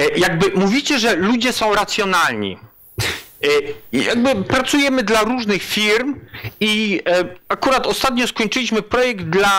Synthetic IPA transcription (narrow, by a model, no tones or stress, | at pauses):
jaɡ̚bɘmuvʲit͡ɕɛʐɛlud͡ʑɛsɔ̃w̃ɾat̪sʲjɔnalɲḭ | ja̰ɡ̚bɘpɾat̪sujɛmɘd̪laɾuʐnɘxfʲiɾmi | akuɾat̪ɔst̪at̪ɲɔ̃skɔɲʲt͡ʂɘlʲiɕmɘpɾɔjɛɡd̪d̪la